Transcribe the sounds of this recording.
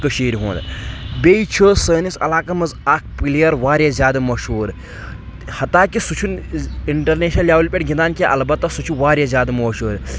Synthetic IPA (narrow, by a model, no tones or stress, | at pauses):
kəʃeːɾiɦṵ̃ːnd̪bʲeːit͡ʃʰəːsəːnisɐ̰laːkɐmɐzaːkʰpilijɐɾʋaːɾʲjazʲaːd̪ɐmɐʃhuːɾ | hɐt̪aːkisut͡ʃʰuniɳʈɐɾneːʃnɐljaːwlʲpʲeʈɡʲind̪aːnkʲeʔɐlbɐt̪ːɐsut͡ʃʰuʋaːɾjɐzʲaːd̪ɨmɐʃuːɾ